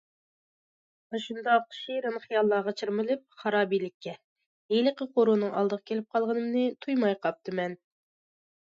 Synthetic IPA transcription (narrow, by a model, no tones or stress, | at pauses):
mɑʃund̪ɑqʰʃiɾɨnχijɑlˠːɑːʁɑt͡ʃʰiɾmɪlɪp̚χɑɾɑːbijlɪkʲʰːɛ | elɪqəqʰoɾunɨŋɑlˠd̪əʁəkʲʰelɪp̚qʰɑlˠʁənɨmnɨɪt̪ʰujmɑjqʰɑp̚t̪ʰɨmɛn